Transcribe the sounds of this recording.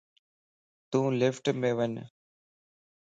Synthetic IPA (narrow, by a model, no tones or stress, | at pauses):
t̪ũːlɪfʈmẽːʋəɲ